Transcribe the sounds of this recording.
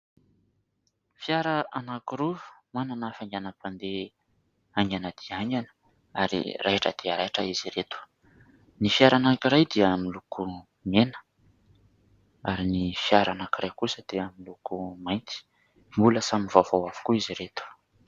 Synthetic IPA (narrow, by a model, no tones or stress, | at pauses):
fjaɾaʔanakuɾuv̥mananafaŋɡʲanəpand̪e | aŋɡʲanəd̪̥iaŋɡanə̥ | aɾḭrʔaeʈ͡ʂə̰d̪̥iəɾaʈ͡ʂəiziɾet̪u̥ | nifiaɾanakiɾajd̪iəmiluku | menə̥ | aɾinifjaɾanakirajkusəd̪̥eamilukumajnt̪i̥ | mbuləsamivav̥owavu̥kuiziɾet̪u̥